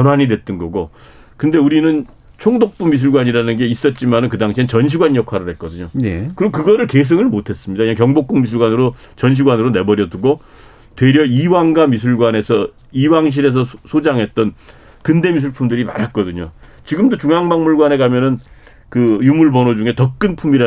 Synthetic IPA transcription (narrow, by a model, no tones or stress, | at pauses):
ʌnwaɲidwe̞t͈ʌnɡʌɡo | kɯnde̞uɾinɯn | t͡ɕʰoŋdok̚p͈umis̬ʰuɭɡwaɲiɾanɯnɡe̞is͈ʌt̚t͡ɕ͈imanɯnk̬ɯdaŋɕʰinɯnt͡ɕʌnɕ̬ʰiɡwanjʌkʰwaɾɯɭɦet̚k͈ʌdɯɲoekɯɾiɡokɯɡʌɾɯɭke̞s̬ʰɯŋɯɭmotʰe̞s͈ɯmɲidaiekjʌŋbok͈uŋmis̬ʰuɭɡwanɯɾo | t͡ɕʌnɕ̬ʰiɡwanɯɾone̞bʌɾjʌduɡo | twe̞ɾjʌiwaŋɡamis̬ʰuɭɡwane̞sʰʌ | iwaŋɕ̬ʰiɾe̞s̬ʰʌsʰod͡ʑaŋɦe̞t̚t͈ʌn | kɯnde̞mis̬ʰuɭpʰumdɯɾima̰ɾɦat̚k͈ʌdɯɲo | t͡ɕiɡɯmdot͡ɕuŋaŋbaŋmuɭɡwane̞ɡamjʌnɯn | kɯjumuɭbʌnod͡ʑuŋe̞tʌk̚k͈ɯnpʰumiɾa